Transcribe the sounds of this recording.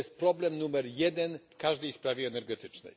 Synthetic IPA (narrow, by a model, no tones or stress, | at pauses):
ɛst̪̚pɾɔblɛmnumɛɾjɛd̪ɛnfkaʐd̪ɛjspɾavʲjɛːnɛɾɡɛt̪ɘt͡ʂnɛ̰j